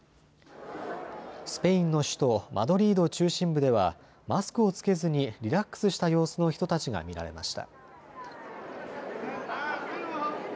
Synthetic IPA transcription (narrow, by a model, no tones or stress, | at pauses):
sɨ̥pe̞ĩnːo̞ɕɨ̥t̪o̞mʔa̰d̪o̞ɾʲiːd̪ot͡ɕɨːɕĩmbɯ̟d̪e̞βa̰ | masɨ̥kɯ̟o̞t͡sɨ̥ke̞zɨɲ̟iɾʲiɾakːɯ̥sɨɕi̥t̪ajo̞ːsɨno̞çi̥t̪o̞t̪at͡ɕiɡa̰mʲiɾa̰ɾe̞̰ma̰ɕi̥t̪a̰